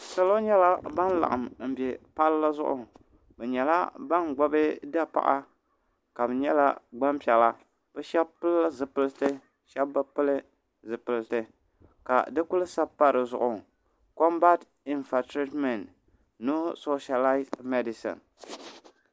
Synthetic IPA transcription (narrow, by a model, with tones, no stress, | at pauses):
sa˦lo˦ɲɛ˦la˦ba˦n˦la̰˨ʔa˨mm̩˨bɛ˨pa˦lla˦zʊ̰˦ʔʊ̰˨ | bɛ˨ɲɛ˨la˦ba˦nɡ͡bɔ˦bɨ˦da˦pa̰˨ʔa˦ | ka˨bɨ˨ɲɛ˦la̰˦ɡ͡ba˦mpɛ˨la˦ | b̥ɛ˦ʃɛ˦b̚pɨ˦lːa˦zɨ˨pɨ˦ltɨ˦ | ʃɛ˦bba˦pɨ˦lɨ˦ | zɨ˨pɨ˨ltɨ˨ | ka̰˨dɨ˦ku˦lɨ˦sa˦pːa˦ɾɨ˨zʊ̰˦˨ʔʊ˨ | ko˦mba˦t | i˦nfa˨tɾi˦tmɛ˨nː | u˦so˦ʃa˨la˦ɪ˦zmɛ˦di˨sɨ̰˨n